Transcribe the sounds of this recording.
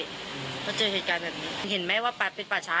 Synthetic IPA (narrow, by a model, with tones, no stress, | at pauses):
kʰɔː˥˩t͡ɕɤː˧heː˨˩t̪̚kaː˧nbɛː˨˩p̚niː˦˥˧ɦe˩˦nmɛː˦˥waː˥˩pa˨˩pe˧npaː˨˩t͡ɕʰaː˦˥